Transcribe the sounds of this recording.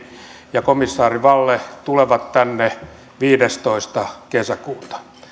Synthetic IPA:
jɑkomisːɑːriʋɑlːet̪uleʋɑt̪tænːe | ʋiːdest̪oist̪ɑkesækuːt̪ɑ̥

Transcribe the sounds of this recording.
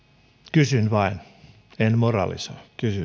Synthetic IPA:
kysynʋɑin | enmorɑ̰ːˑlḭsɑkysy

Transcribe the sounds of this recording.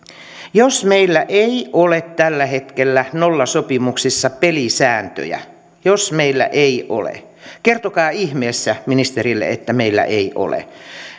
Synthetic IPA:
josmeilːæʔeiʔolet̪t̪ælːæhet̪kelːænolːɑsopimuksisːɑpelisæːnt̪ø̰jæ̰ | josmeilːæ̰ʔeiʔo̰lḛ | kert̪okɑːihmeːsːæminist̪erilːḛet̪ːæmeilːæ̰ʔeiʔo̰lḛ

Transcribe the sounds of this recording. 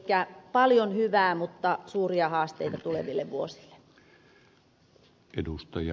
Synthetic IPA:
kæpɑljonhyʋæːmut̪ːɑsuːriɑhɑːst̪eit̪ɑt̪ulḛʋilːeʋʋuosi̥lːe̥ | ʔedust̪ɑj

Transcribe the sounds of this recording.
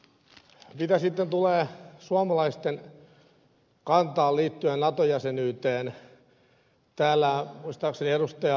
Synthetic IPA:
mit̪æsit̪ːent̪uleːsuɑmɑlɑist̪en | kɑnt̪ɑːlliːt̪ːyennɑt̪ojæsenyːt̪eːn | t̪æːlːæmuist̪ɑːksenierust̪e

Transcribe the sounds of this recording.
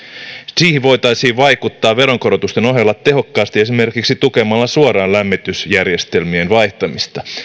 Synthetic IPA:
siːhiʋʋo̞jt̪ɑjsiːʋʋɑjkut̪ːɑːʋʋe̞ɾo̞ŋko̞ɾot̪ust̪e̞no̞ɦelːɑt̪ːe̞ɦo̞kːɑːst̪ie̞s̬ime̞rkiksit̪uke̞mɑlːɑsuoɾɑːnlæmːit̪ysjærje̞st̪e̞lmienʋɑjht̪ɑmist̪ɑ

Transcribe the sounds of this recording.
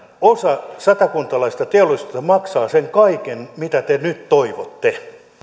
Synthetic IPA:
osɑsɑt̪ɑkunt̪ɑlɑist̪ɑt̪eolisut̪ɑmɑksɑːseŋkɑikenmit̪æt̪enyt̪toiʋot̪ːe

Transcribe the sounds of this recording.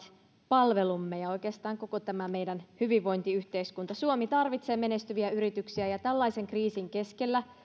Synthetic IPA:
pɑlʋelumːejɑo̞jkeːst̪ɑːŋkokot̪æmæme̞jdænhyʋiʋːo̞jnt̪iyht̪eiskunt̪ɑsuomit̪ɑrʋit̪se̞ːme̞nest̪yʋiæyɾit̪yksiæjɑt̪ælːɑise̞ŋkriːsiŋke̞skelːæ

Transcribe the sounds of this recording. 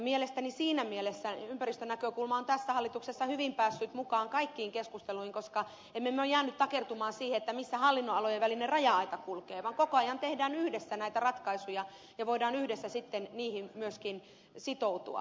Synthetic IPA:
mielest̪ænisiːnæmielesːæympærist̪ønækøkulmɑont̪æsːæhɑlːit̪uksesːɑhyʋimpæːsːyt̪mukɑːŋkɑikːiːŋkeskust̪eluiŋkoskɑ | emːemojæːnːyt̪t̪ɑkert̪umɑːnsiːheet̪ːæmisːæhɑlːinːoɑlojeʋʋælinerrɑjɑɑit̪ɑkulkeːʋɑŋkokoɑjɑnt̪ehdæːnyhdesːænæit̪ærɑt̪kɑisujɑ | jɑʋoidɑːnyhdesːæsit̪ːenniːhimmyøskin | sit̪out̪ṵɑ̰

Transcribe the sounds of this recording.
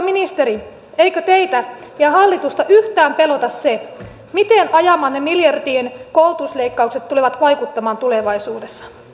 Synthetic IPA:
minist̪eɾi | eikøt̪eijt̪æjɑhɑlːit̪ust̪ɑʔyht̪æːmpelo̞t̪ɑsse | mit̪enɑjɑmɑːnnemiljɑrd̪ienkoult̪usleikːɑukset̪t̪ːuleʋɑt̪ʋɑikut̪ːɑmɑːnt̪uleʋɑijsuːdesːɑ̥

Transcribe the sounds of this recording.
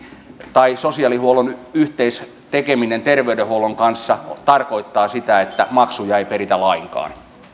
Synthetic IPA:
t̪ɑisosiɑlihuolonyht̪eis | t̪ekeminent̪erʋeydehuoloŋkɑnsːɑt̪ɑrkoit̪ːɑːsit̪æet̪ːæmɑksujɑeiperit̪ælɑiŋkɑ̰ːn

